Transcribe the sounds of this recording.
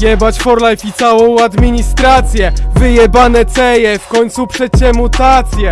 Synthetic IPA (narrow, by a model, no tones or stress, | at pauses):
jɛbat͡ɕfɔɾlajfʲit̪sawɔ̃w̃ad̪mʲiɲist̪ɾat̪sʲjɛvɘjɛbanɛt̪sɛjɛfkɔɲt̪supʂɛɕɛmut̪at̪sʲjɛ